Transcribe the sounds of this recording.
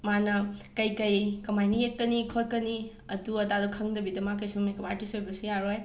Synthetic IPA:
manɐkɐjkɐjkɐmajniek̚tɐnikʰoɾkɐni | ɐduɐtadukʰɐŋdɐbidɐmak̬ɐjsumejkɐbatisojbɐsijaɾoj

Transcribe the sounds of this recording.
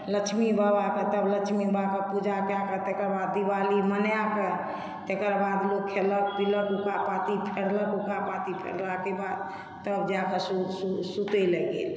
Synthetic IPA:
lət͡ʃʰmibəbakət̪əblət͡ʃʰmibakəpud͡ʒakjakət̪ekəɾbad̪ːibalimənjakə | t̪ekəɾbad̪lok̚kʰːelək̚piləkukapat̪ipʰeɽləkukapat̪ipʰḛɽlakebad̪̚ | t̪əbd͡ʒakəsususut̪elɛɡḛl

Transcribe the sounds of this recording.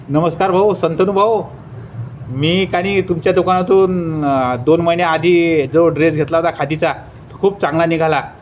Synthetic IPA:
nəməskaɾbʱaʋsənt̪ənubʱəʋ | miːkaɽ̃iːt̪umt͡ɕjad̪ukanat̪uːnd̪onməjnjaːd̪ʱiːd͡zoɖɾed͡zɡʱet̪laɦot̪akʰad̪it͡sa | t̪əkʰuːp̚t͡sãŋɡlaniɡʱala

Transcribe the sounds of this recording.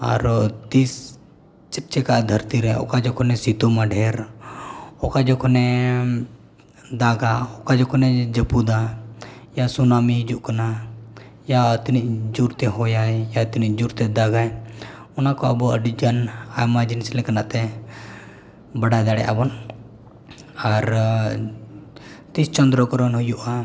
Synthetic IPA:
a̰ɾt̪is | t͡ʃət͡ʃɛkaʔd̪ʱəɾt̪iɾɛɔ̰kad͡ʒɔkʰɔnɛsit̪umaɖʱɛɾ | ɔkad͡ʒɔkʰɔnɛ | d̪aɡaɔkad͡ʒɔkʰɔnɛd͡ʒəpud̪a | jasunamid͡ʒuʔkana | jat̪iniʔd͡ʒuɾt̪ɛɦɔjajat̪iniʔd͡ʒuɾt̪ɛd̪aɡajɔnakɔəbuəɖid͡ʒanajmad͡ʒinislɛkanaʔt̪ɛ | baɽajd̪aɽɛ̰ʔa̰bɔn | aɾ | t̪ist͡ʃɔnd̪ɾɔkɔɾɔnɦujuʔa

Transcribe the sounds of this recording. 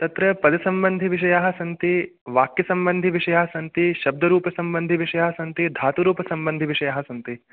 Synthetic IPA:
t̪ɐt̪ɾɐpɐd̪ɐsɐmbɐnd̪ʱiʋiʃ̬ɐjaːɦɐsɐnt̪i | ʋaːkjɐsɐmbɐnd̪ʱiʋiʂɐjaːɦɐsɐnt̪iʃɐb̚d̪ʱɐɾuːpɐsɐmbɐnd̪ʱiʋiʃɐjaːɦɐsɐnt̪id̪ʱaːt̪uɾuːpɐsɐmbɐnd̪ʱiʋiʂɐjaːɦɐsɐnt̪i

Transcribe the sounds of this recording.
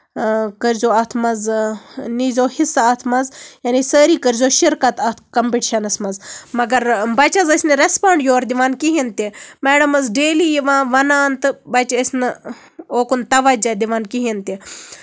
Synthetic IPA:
kɐɾzoːɐt̪ʰmɐz | niːzoːhisːaɐt̪ʰmɐzjanisəːɾiːkɐɾzoːʃiɾkɐt̪ɐt̪ʰkɐmpiʈiʃɐnɐsmɐzmɐɡɐɾbɐt͡ʃɐzɐsʲnɨɾespaːɳɖjoːɾd̪iʋaːnkiɦint̪imɛːɽɐmɐzɖeːliːjiʋãːʋɐnaːnt̪ɨbɐt͡ʃɐsʲnɨ | oːkunt̪ɐʋɐd͡ʒad̪iʋaːnkiɦint̪i

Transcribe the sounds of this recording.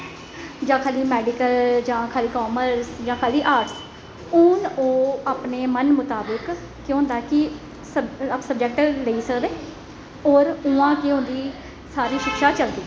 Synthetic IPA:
d͡ʒãːkʰaːliːmɛːɖɪkəld͡ʒãːkʰaːliːkoːməɾsd͡ʒãːkʰaːliːʔaːɾʈs | ʊːnoːaːpneːmənmʊt̪aːbəkː | jõːnd̪akɪ | səsəb̚d͡ʒɛːk̚ʈləiːsəkd̪eː | ɔːɾʊãːkeːɦõːnd̪iː | saːɾiːʃɪkʃaːt͡ʃəld̪iː

